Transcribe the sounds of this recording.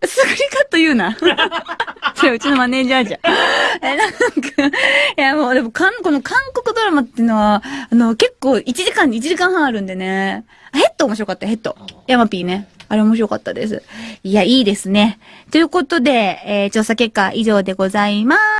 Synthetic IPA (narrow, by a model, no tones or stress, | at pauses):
sɨɡɯɾʲikat̪ːojɯ̟ːna | soɾeɯ̟t͡ɕino̞mane̞ːʑiaʑaenãŋkḁjamo̞ːd̪e̞mo̞kãŋko̞no̞kʰãŋko̞kɯ̟d̪o̞ɾamat̪ːeɯ̟no̞βaːno̞ke̞kːo̞ːit͡ɕiʑikãɲ̟ːit͡ɕiʑikãɰ̃ɦãɰ̃aɾɯ̟̃nd̪e̞ne̞ | ahe̞t̪ːo̞oːmo̞ɕiɾo̞kat̪ːahe̞t̪ːo̞̰jamapʲiːne̞aɾe̞omoɕiɾo̞ka̰t̪ːad̪e̞̰sɨ̰ijaiːd̪e̞sɨne̞t̪o̞jɯ̟ko̞t̪o̞d̪e̞ːt͡ɕo̞ːsake̞kːaʔiʑo̞ːd̪e̞ɡo̞zaima